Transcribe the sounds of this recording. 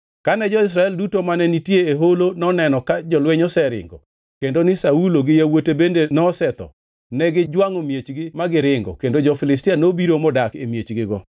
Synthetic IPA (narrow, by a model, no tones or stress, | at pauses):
kanɛd͡ʒɔɪs̬ɾaɛldutomanɛnitjeːɦolonɔnɛnɔkad͡ʒɔlweɲɔsɛɾɪ̰ŋɡɔ̰ | kendonɪsauloɡɪjawotebendenɔsɛt̪ɔ̰ | nɛɡɪd͡ʒwaŋomjet͡ʃɡɪmaɡɪɾɪŋɡɔ̰kendod͡ʒɔfɪlɪstianobiɾomɔdakemjet͡ʃɡɪɡɔ